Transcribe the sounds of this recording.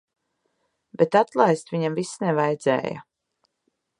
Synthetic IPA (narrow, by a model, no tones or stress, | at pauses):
bet̪at̪lˠajst̪viɲamvisnɛvajd̪zɛ̰ːja̰